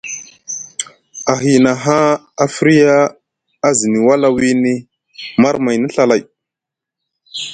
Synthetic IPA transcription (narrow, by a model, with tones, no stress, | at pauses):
a˨ɦi˨na˨ɦa˦ | a˨fi˦ɾi˦jaː˦ | zi˨ni˨wa˦la˦wi˦ni˦ | ma˦ɾma˨jni˦ɬa˨la˨j